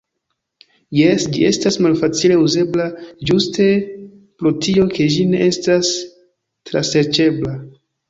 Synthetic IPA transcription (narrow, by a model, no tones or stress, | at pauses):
jesd͡ʒḭʔe̞stasmalfat͡sile̞uze̞blad͡ʒuste̞ | pɾotʰio̞kʰe̞d͡ʒine̞̰ʔe̞stas | tɾa̰seɾt͡ʃe̞bla